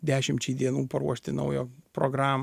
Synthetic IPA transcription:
d̪ʲæːʃʲɪmʲt͡ʃʲiːd̪ʲiɛnuːpɐɾuɔʃʲt̪ʲɪnɐ̰ʊjoːpɾoɡɾɑːm

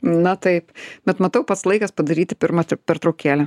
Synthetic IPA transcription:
nɐt̪ɐɪpbʲɛt̪mɐt̪ɐʊpɐt̪slˠɐɪkɐspɐd̪ɐɾʲiːt̪ʲɪpʲɪɾmɐt̪ʲpʲɛɾt̪ɾɐʊkʲæːlʲɛ

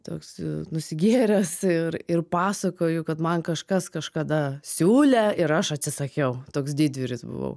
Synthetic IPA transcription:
t̪oːksnʊsʲɪɡʲiɛɾʲɛsɪɾɪrpɑːsɐkoːjʊkɐt̪mɐnkɐʃkɐskɐʃkɐd̪ɐsʲuːlʲɛɪɾɐʃɐt̪ʲsʲɪsɐkʲɛʊt̪oːksd̪ʲiːd̪ʲʋʲɪɾʲɪsbʊ̰ʋɐ̰ʊ

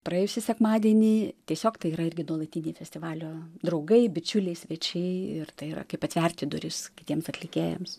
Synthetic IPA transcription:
pɾɐeːjʊsʲɪsʲɛkmɑːd̪ʲiɛnʲiːt̪ʲiɛsʲoːkt̪ɐɪiːɾɐɪrʲɡʲɪnuɔlˠɐt̪ʲiːnʲeɪfʲɛsʲt̪ʲɪʋɑːlʲoːd̪ɾɐʊɡɐɪbʲɪt͡ʃʲʊlʲɛɪsʲʋʲɛt͡ʃʲɛɪɪrt̪ɐɪiɾɐ̰kɐɪpɐt̪ʋʲɛrʲt̪ʲɪd̪ʊɾʲɪskʲɪt̪ʲiɛmsɐt̪ʲlʲɪkʲeːjɛ̰ms

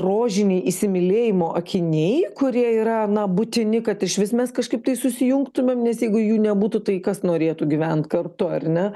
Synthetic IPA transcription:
roːʒʲɪnʲɛɪisʲɪmʲɪlʲeːjɪmoːʔɐkʲɪnʲeɪkʊɾʲiɛiːɾɐnɐbʊt̪ʲɪnʲɪkɐt̪ɪʃʋʲɪsmʲɛskɐʃkɐɪp̚t̪ɐɪsʊsʲɪjʊŋkt̪ʊmʲeːmnʲɛsjɛɪɡʊjuːnʲɛbuːt̪ʊt̪ɐɪkɐsnoːɾʲeːt̪ʊɡʲɪʋʲɛnt̪kɐrt̪ʊɐrnʲɛ

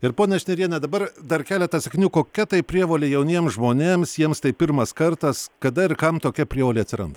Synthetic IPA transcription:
ɪɾpoːnʲɛɐʃʲnʲɛɾʲiɛnʲɛd̪ɐbɐrd̪ɐrkʲæːlʲɛt̪ɐsʲɐkʲnʲuːkoːkʲɛt̪ɐɪpʲɾʲiɛʋoːlʲejɛʊnʲiɛmsʒmoːnʲeːmsjiɛmst̪ɐɪpʲɪrmɐskɐrt̪ɐskɐd̪ɐɪɾkɐmt̪oːkʲɛpʲɾʲiɛʋoːlʲeɪɐt̪sʲɪɾɐ̰nd̪ɐ

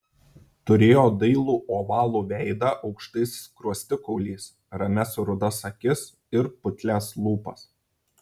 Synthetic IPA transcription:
t̪ʊɾʲeːjoːd̪ɐɪlˠuːʔoːʋɑːlˠuːʋʲɛɪd̪ɑʔɒʊkʃt̪ɐɪskɾuɔsʲt̪ʲɪkɔʊlʲiːs | ɾɐmʲɛsɾʊd̪ɐsɐkʲɪs | ɪɾpʊt̪ʲlʲæːslˠuːpɐs

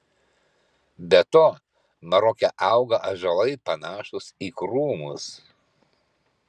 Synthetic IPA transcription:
bʲɛt̪oː | mɐɾɔkʲɛʔɑˑʊɡɐʔɐʒɐlˠɐɪpɐnɑːʃʊsiːkɾuːmʊ̰s

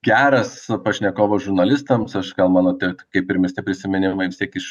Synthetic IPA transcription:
ɡʲæːɾɐspɐʃʲnʲɛkoːʋoʒʊɾnɐlʲɪst̪ɐmsɐʃɡɐlˠmɑːnoːt̪ʲɛkɐɪpɪɾʲmʲɪsʲt̪ʲɪpʲɾʲɪsʲɪmʲɛnʲɪmɐɪʋʲɪst̪ʲiɛkɪʃ

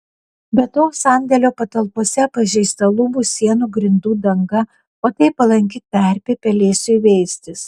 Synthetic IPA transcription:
bʲɛt̪oːsɐˑnʲd̪ʲɛlʲoːpɐt̪ɐlˠpoːsʲɛpɐʒʲɛɪst̪ɐlˠʊmuːsʲiɛnuːɡɾʲɪnd̪uːd̪ɐŋɡɐ | oːt̪ɐɪpɐlˠɐŋʲkʲɪt̪ɐˑɾʲpʲeːpʲɛlʲeːsʲʊʋʲɛɪsʲt̪ʲɪs

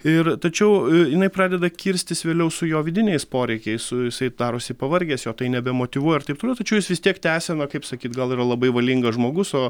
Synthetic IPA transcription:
ɪrt̪ɐt͡ʃʲɛʊjɪnɐɪprɑːd̪ʲɛd̪ɐkʲɪɾʲsʲt̪ʲɪsʋʲeːlʲɛʊsʊjoːʋʲɪd̪ʲɪnʲɛɪspoːɾʲɛɪkʲɛɪssʊjɪsɐɪd̪ɑːɾoːsʲɪpɐʋɐɾʲɡʲɛːsjoːt̪ɐɪnʲɛbʲɛmoːt̪ʲɪʋuɔjɛɪrt̪ɐɪpt̪oːlʲɛʊt̪ɐt͡ʃʲɛʊjɪsʋʲɪst̪ʲiɛkt̪ʲæːsʲɛːnɐkɐɪpsɐkʲiːt̪ɡɐlˠiːɾɐlˠɐbɐɪʋɐlʲiŋɡɐʒmoːɡʊsoː

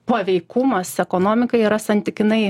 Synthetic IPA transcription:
pɐʋʲɛɪkʊmɐsɛkoːnoːmʲɪkɐɪiːɾɐsɐnʲt̪ʲɪkʲɪnɐɪ

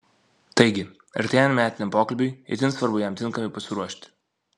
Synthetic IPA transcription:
t̪ɐɪɡʲɪ | ɐ̰ɾʲt̪ʲeːjɛnmʲæːt̪ʲɪnʲɛmpoːkɐlʲbʲʊjɪ̰t̪ʲɪnsʋɐɾbʊjɛmt̪ʲɪŋkɐmʲɛɪpɐsʲɪɾuɔʃʲt̪ʲ

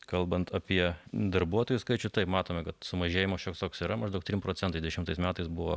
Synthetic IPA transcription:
kɐlˠbɐnt̪ɐpʲiɛd̪ɐɾbuɔt̪oːjʊskɐɪt͡ʃʲʊt̪ɐɪpmɑːt̪oːmʲɛkɐt̪sʊmɐʒʲeːjɪmɐːsʃʲoːkst̪oːksiːɾɐmɐʒd̪ɐʊk̚t̪ɾʲɪmpɾoːt͡sʲɛnt̪ɐɪd̪ʲʋʲɛʃʲɪmt̪ɐɪsmʲæːt̪ɐɪsbʊʋo̰ː

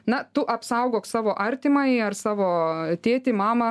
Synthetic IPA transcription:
nɐt̪ʊʔɐpsɐˑʊɡoːksɑːʋoːʔɐɾʲt̪ʲɪmɐɪɐrsɑːʋoːt̪ʲeːt̪ʲɪmɑːmɐ

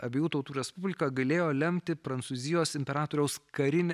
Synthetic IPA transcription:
ɐbʲeːjuːt̪ɐʊt̪uːɾʲɛspʊbʲlʲɪkɐɡɐlʲeːjoːlʲɛmʲt̪ʲɪpɾɐnt̪suːzʲɪjoːsɪmʲpʲɛɾɑːt̪oːɾʲɛʊskɐɾʲɪnʲ

